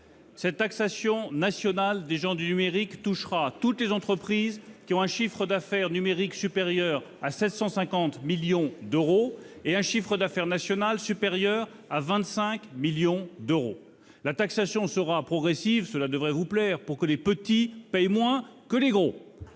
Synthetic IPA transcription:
sɛt̪ːaksasjɔ̃nasjɔnald̪eʒɑ̃d̪ynymeʁikt̪uʃʁat̪ut̪lezɑ̃t̪χəpχizkʲiɔ̃ɛ̃ʃifχəd̪afɛʁnymeʁiksypeʁjœʁ | asɛt̪sɑ̃sɛ̃kɑ̃t̪miljɔ̃d̪øʁoeɛ̃ʃifχəd̪afɛʁnasjɔnalsypeʁjœʁ | avɛ̃t̪sɛ̃kmiljɔ̃d̪øʁo̰ | lat̪aksasjɔ̃səʁapχɔɡʁesivsəlad̪əvʁɛvuplɛʁpuʁkəlepət̪ipɛjmwɛ̃kəleɡʁo

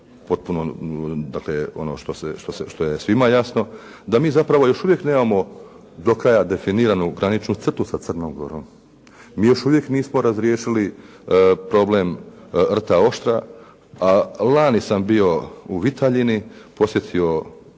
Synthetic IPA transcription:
po̞t̪̚punod̪akleo̞̰no̰ʃt̪oseʃt̪oseʃt̪o̞jesʋimajasno̞ | d̪amiːzapɾaʋo̞jo̞ʃuʋje̞kneːmamo̞ | d̪o̞kɾajad̪e̞finiːɾanuɡɾanit͡ʃnut̪sr̩t̪usat̪sərnoːmɡo̞̰ɾo̞ːm | miːjo̞ʃuʋjekniːsmo̞ɾazɾjeːʃili | pɾo̞blemr̩t̪ao̞ʃt̪ɾa | alˠaːnisambio̞uʋit̪ʰaʎinipo̞sjet̪ʰio̞

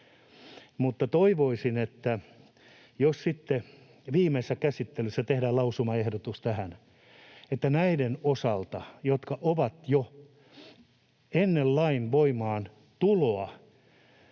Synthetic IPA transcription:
mut̪ːɑt̪oiʋoisinet̪ːæ | jossit̪ːe | ʋiːmeisːækæsit̪ːelysːæt̪ehdæːlɑusumɑehdot̪ust̪æhæn | et̪ːænæidenosɑlt̪ɑjot̪kɑʔoʋɑt̪jo | enːelːɑinʋoimɑːn | t̪uloɑ

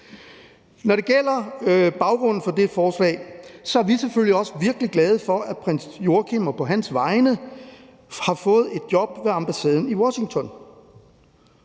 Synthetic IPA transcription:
nɒɾe̝ɡ̥el̰ɐb̥ɑ̈ʊɡ̥ʁɔ̽n̰n̩fɒ̽d̥e̝fɒːslɛ̰ːɪsɒ̽æɐʋiseføl̰jiɒ̽səʋiɐɡ̥liɡ̥lɛːð̞̩ˠfɒ̽æpʰʁensjo̝ɐkʰimɐpʰɒ̽ɦænsʋɑ̈ɪnə | hɑ̈fɔ̽ːð̞̩ˠe̝d̥̚djɒ̽b̥̚ʋe̝ɑ̈mb̥æsɛːð̞ˠn̩iwɒ̽ɕi̝ŋt͡sʰɒ̽n

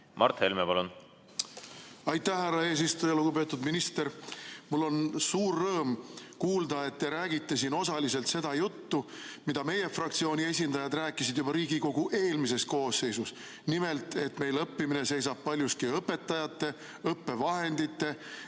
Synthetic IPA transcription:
mʔɑ̰rt̪hḛlmepɑlun | ɑjt̪ːæhærːɑe̞ːs̬ist̪ujɑluɡ̥ube̞ːt̪ːˑud̪minist̪e̞ɾmulːo̞nsuːrːɤːmkuːld̪ɑe̞t̪ːe̞ɾæːɡ̥it̪ːe̞sino̞sɑlise̞lt̪se̞d̪̥ɑjut̪ːu | mid̪ɑme̞je̞frɑk̚t̪sioːnʲie̞sʲind̪ɑjɑd̪ræːkːˑisid̪̥jub̥ɑɾiːɡiko̞ɡuʔe̞ːlmis̬e̞s̚ko̞ːsːe̞jsus | nime̞lt̪e̞t̪me̞jlɤpːimine̞se̞js̬ɑb̥̚pɑlʲjust̪kiɤpːe̞t̪ːɑjɑt̪ːe̞ | ɤpːe̞vɑɦe̞nd̪it̪ːe̞

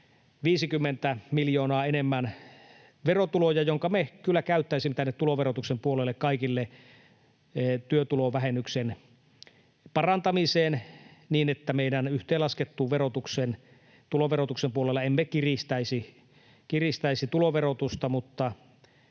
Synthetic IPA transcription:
ʋiːsikymːent̪æmiljoːnɑːenemːæn | ʋerot̪ulojɑjoŋkɑmekylːækæyt̪ːæisimːet̪ænːet̪t̪uloʋerot̪uksempuolelːekkɑikilːe | t̪yøt̪uloʋæɦenːˑyksen | pɑrɑnt̪ɑmiseːnniːnet̪ːæmeidænyht̪eːlɑsket̪ːuːʋerot̪uksen | t̪uloʋerot̪uksempuolelːɑemːekirist̪æisi | kirist̪æisit̪uloʋerot̪ust̪ɑmut̪ːɑ

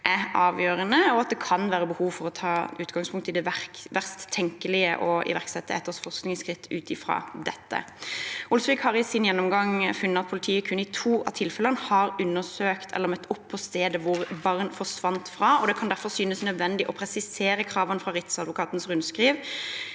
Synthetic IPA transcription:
ʔæʔɑːʋjøːɾənəɔɑt̪̚d̪ɛkʰɑnʋæːɾəbəhuːʋfɔɾɔt̪ʰɑːʉːt̪ɡɑŋspʰʊŋkt̪əɪd̪ɛʋæʋæʁst̪ʰːɛŋkəlɪə̰ʔɔɪ̰ʋæʁksɛt̪ːəɛ̰t̪ːəʁsfɔʁsknɪŋskʁɪt̪ʰːʉːt̪ɪfɾɑ̰d̪ɛt̪ːə̰ | ʔʊlsʋɪkhɑɾɪsɪnjɛnːɔmɡɑŋfʉnːəɑt̪̚pʰʊlɪt̪ʰiːəkʰʉnɪt̪ʰuːʔɑ̰t̪ʰɪlfɛlənhɑɾʉnːəsøːkt̪ʰɛ̰lːəɾmœt̪ːɔpʰːɔst̪eːd̪əʋʊɾbɑʁnfɔsʋɑnt̪fʁɑɔd̪ɛkʰɑnd̪æʁfɔɾsyːnəsnœd̪ʋɛnd̪ɪʔɔpʰɾɛsɪseːɾəkʰɾɑːʋənəfɾɑɾɪt̪sɑd̪ʋʊkʰɑːt̪n̩sʁʉnskɾiːʋ

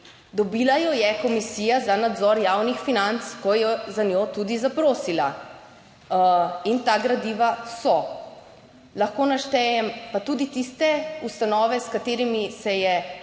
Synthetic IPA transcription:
d̪ɔbilajɔjɛkɔmisiːjazanad̪zɔɾjawnixfinant̪skɔjɛzanjot̪ud̪izapɾoːsila | int̪aːɡɾad̪iːʋasɔ | laxkoːnaʃt̪ɛjɛmpat̪ud̪it̪ist̪ɛust̪anɔːʋɛskat̪eːɾimisɛjɛ

